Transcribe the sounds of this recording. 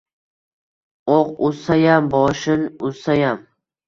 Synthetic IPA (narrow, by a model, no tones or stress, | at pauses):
oqʊsajambɒːʃɪnʊsajam